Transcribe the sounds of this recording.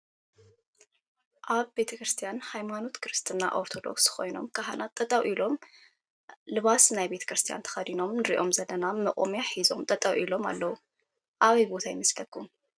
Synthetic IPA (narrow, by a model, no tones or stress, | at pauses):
ʔaβbe̞t̪ʰɐkɾɨst̪ʰijanhajmano̞t̪kʰɨɾɨst̪ʰʼɨnːa̰ʔoɾt̪ʰo̞d̪o̞̰ksxo̞jno̞mkʰaɦa̰nʔat̪ʼːɐt̪ʼɐwʔilo̞m | lɨβasnajbet̪ʰɐ̥kɾɨst̪ʰija̰nt̪ʰɐ̥xɐd̪ino̞mnɨɾḭʔo̞mzɐlɐnamɐkʼomjaħizo̞̰mt̪ʼɐt̪ʼɐwʔilo̞ma̰lːɐwu | ʔaβijbo̞t̪ʰajmɐslɐkʼːum